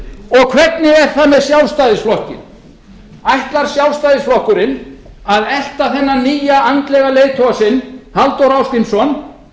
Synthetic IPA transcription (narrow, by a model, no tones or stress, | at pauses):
ɔɣkʰvɛt̪nɪɛɾ̥θamɛðsjawst̪ajðɪsflɔhcɪ̰n | ajht̪laɾ̥sjawst̪ajðɪsflɔhkʏɾɪn | aðɛl̥t̪aθɛnːaniːjaʔant̪lɛɣaleːjt̪ʰɔasɪnhalt̪owɾawskɪnsɔn